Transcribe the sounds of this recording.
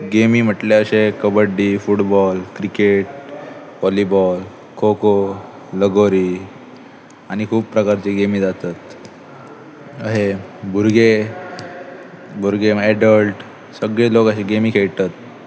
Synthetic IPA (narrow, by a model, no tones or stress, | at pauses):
ɡemiːm̤əʈleəɕekəbəɖːiːfuʈbɔlkɾikeʈ | ʋɔlibɔl | kʰoko | ləɡoɾiː | añikʰuːppːɾəkaɾt͡ɕeɡemiːd͡zat̪at̪ | əɦebʱuɾɡe | bʱuɾɡeɛɖəlʈ | səɡɭelokəɕeɡemiːkʰeɭʈ̪at̪̚